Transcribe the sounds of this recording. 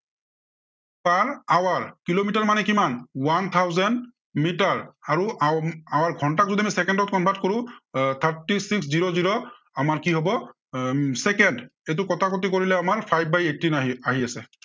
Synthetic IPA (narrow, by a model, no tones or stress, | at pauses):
paɹawaɹkilomitaɹmanɛkimanwant̪ʰawzɛnd | mitaɹaɹuawaɹɡʱɔntak̚zudiamisɛkɛndɔt̚kɔnbʱatkoɹʊ̃t̪ʰaɹtisiksziɹoziɹɔ | amaɹkiɦɔbɔ | sɛkɛndet̬ukɔtʰakutikoɹilɛamaɹpʰajb̚bajetinaaɦiasɛ